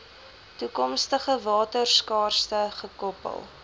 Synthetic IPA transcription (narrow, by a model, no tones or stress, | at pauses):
tukɔmstəχəvɑːtərskɑːrstəχəkɔpə̰lˠ